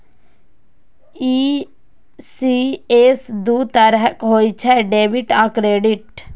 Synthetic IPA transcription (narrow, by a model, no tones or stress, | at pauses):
i | sieːsd̪uːt̪əɾɦəkɦoːit͡ʃʰɛɖeːʋiʈãːkɾeːɖɪʈ